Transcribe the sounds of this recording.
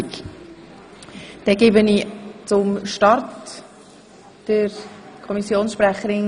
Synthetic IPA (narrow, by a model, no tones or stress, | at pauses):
k | d̥ɛɡeːbənit͡sʊmʃtɑɾt | d̥əɾkʰɔmisjoːnsʃprɛχəɾɪn